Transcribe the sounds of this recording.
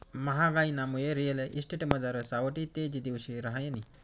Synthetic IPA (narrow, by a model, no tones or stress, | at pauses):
mɐɦaɡainamujeɾijeleʔisʈeʈeməd͡zaɾəsawəʈit̪ed͡ʑid̪iwɕiɾaɦajeni